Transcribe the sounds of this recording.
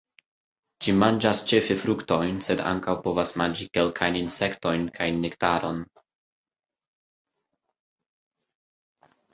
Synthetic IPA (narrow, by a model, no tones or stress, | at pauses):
t͡ʃimand͡ʒast͡ʃe̞fefɾukto̞jnse̞da̰ŋkawpo̞vasmand͡ʒike̞lkʰajninse̞kto̞jnkʰajnːektaɾʔo̞n